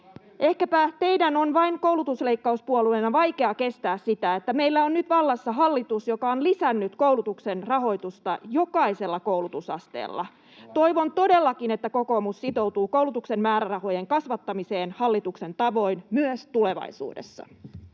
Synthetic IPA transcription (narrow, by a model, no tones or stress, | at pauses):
ʔe̞hkæpæt̪e̞idæno̞nʋɑiŋko̞wlut̪usle̞ikːɑuspuoluenɑʋɑjke̞ɑke̞st̪æːssit̪æet̪ːæme̞jlːæonnyt̪ʋɑlːɑsːɑɦɑlːit̪usjo̞kɑonlisænːyt̪ko̞ulut̪ukse̞nrɑɦo̞jt̪ust̪ɑ̰jo̞kɑise̞lːɑko̞wlut̪usɑ̰st̪ḛːlːɑ̰ | t̪o̞iʋont̪o̞de̞lːɑkine̞t̪ːæko̞ko̞ːmussit̪o̞wt̪uːkowlut̪ukse̞mmæːɾærɑho̞jeŋkɑsʋɑt̪ːɑmise̞ːnhɑlːit̪ukse̞nt̪ɑʋo̞inmyøst̪ule̞ʋɑ̰isṵːdḛsːɑ̰